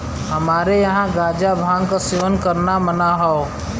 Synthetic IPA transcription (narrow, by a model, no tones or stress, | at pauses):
ɦəmaːɾejəɦãɡaːd͡ʒabʱãːŋɡkaseʋənkəɾnamənaɦɔo